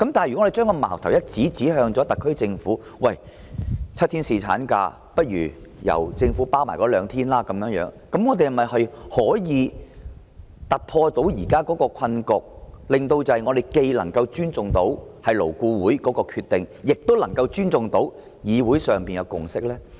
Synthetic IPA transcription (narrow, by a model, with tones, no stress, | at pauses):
kɐ˨˦mt̪aː˨jy˨˥˨e˨t͡ʃœː˥ŋkɔ˧ma̰ː˨˩wt̪ʰɐ˨˩wjɐ˥t̚t͡siː˨˥t͡siː˨˥hœː˧ŋt͡sɔː˨˥t̪ɐ˨kʰːɵ˥ɥt͡sɪ˧ŋfuː˨˥ | wɐ˨˩j | t͡sʰɐ˥t̪ʰi˥nsiː˨˧t͡sʰa̰ː˨˥nka̰ː˧ | pɐ˥t̚ɥyː˨˩jɐ̰˨˩wt͡sɪ˧ŋfuː˨˥paː˥wmaː˨˩jkɔː˨˥lœː˨˧ŋt̪ʰiː˥nlaː˥kɐ˨˥mjœː˨˥ŋjœ̰ː˨˧˥ŋ | kɐ˨˥mŋɔ˨˧t̪e˨jhɐ˨˩mːɐ˨˩jhɐ˨jhɔː˨˥jiː˨˧ | t̪ɐ˨˩t̚pʰɔː˧t̪o˨˥wjiː˨˩kaː˥kɔː˨˥kɔː˧kʰɐ˧nkʊ˨k̚lɪ˨ŋt̪o˧wt͡sɐ˨ɐ˨jŋɔː˨˧d̪e˨jke˧jlɐ˨˩ŋkɐ˧wt͡ʃyː˥nt͡sʊ˨ŋt̪o˨˥whɐ˨jlo˨˩wkuː˧wuː˨˥jkɔː˨˥kɔː˧kʰyː˧t̪ːɪ˨ŋjɪ˨k̚t̪o˥wlɐ˨˩ŋkɐ˧wt͡ʃyː˥nt͡sʊ˨ŋt̪o˨˥w | jiː˨˧wuː˨˥jsœː˨ŋpiː˨njɐ˨˧wkʊ˨ŋsɪ˥k̚lɛː˥